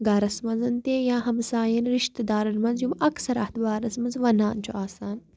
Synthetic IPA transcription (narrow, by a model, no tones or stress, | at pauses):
ɡaːɾɐsmɐnzɐnt̪ejãːɦɐmsaːjɐnɾiʃt̪d̪aːɾɐnmɐnzjumɐksɐɾa̰ːht̪baːɾɐsmɐnzʋɐnaːnt͡ʃʰuʔaːsaːn